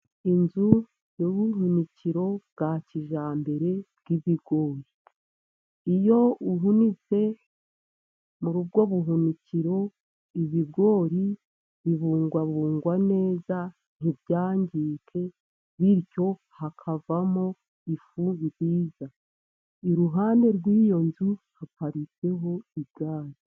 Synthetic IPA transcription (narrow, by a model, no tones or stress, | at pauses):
inzu | joɡuɦuniciɾo̞bɡaciʒaːmbe̞ɾe̞bɡ̥iβiɡo̞ːɾi | ijo̞uɦunit͡se̞ | muɾubɡo̞βuɦuniciɾo̞ | iβiɡo̞ːɾi | βiβuːŋɡwaβuːŋɡwane̞ːza | n̥ibjaːɲɟiːkʰe̞ | βiɾco̞ | hakʰavamo | ifuziɾiːza | iɾuɦaːnde̞ɾɡwijo̞nzuhapaɾit͡se̞ɦo̞ibɡaːɾi